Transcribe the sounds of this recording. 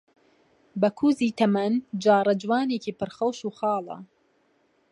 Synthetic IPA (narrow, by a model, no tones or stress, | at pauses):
bɐkʰuːziːt̪ʰɐmɐnd͡ʒaːɾɐd͡ʒwɑːneːkiːpɨɾxɐwʃuːxɑːlˠɐ̰